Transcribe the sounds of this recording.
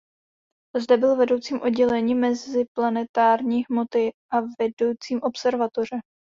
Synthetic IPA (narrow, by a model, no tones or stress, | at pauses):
zdɛbɪlvɛdo̞wt͡siːmʔo̞dɟɛlɛɲiːmɛzɪplanɛt̪aːɾɲiːɦmo̞t̪ɪʔavɛdo̞wt͡siːmʔo̞psɛɾvat̪o̞r̝ɛ